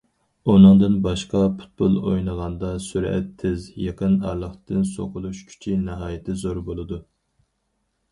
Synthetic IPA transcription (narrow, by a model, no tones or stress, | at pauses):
unɨŋd̪ɨnbɑʃqɑpʰu̥t̪̚pulˠo̰jnəʁɑnd̪ɑsyɾɛ̰t̪ʰːɪzjɑqʰənɑɾlˠəχt̪ɨnso̰qʰʊlˠuʃkʲʰy̥t͡ʃʰinɪɦɑːjɪt̪ʰɪzoɾbolˠɨd̪u